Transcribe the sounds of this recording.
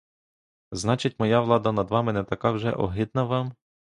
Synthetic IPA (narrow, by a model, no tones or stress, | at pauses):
znɑt͡ʃɪtʲmɔjɑʋlˠɑd̪ɐnɐd̪ʋɑmɪnɛt̪ɐkɑwʒɛ̰ʔɔ̰ɦɪd̪̚nɐʋɑm